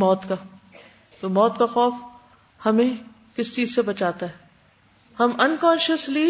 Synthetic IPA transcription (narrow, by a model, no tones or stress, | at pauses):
mɔːt̪ka | t̪oːmɔːt̪kaxɔːf | hɐmẽ | kɪst͡ʃiːzsebɐt͡ʃaːt̪aɦɛː | hɐmɐnkɔ̃ːnʃəsli